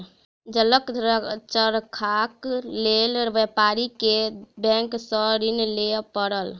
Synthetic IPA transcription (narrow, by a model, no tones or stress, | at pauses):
d͡ʒələkɾət͡ʃəɾkʰaklelʋɛpaɾikebɛ̃ŋksəɾinlepəɾəl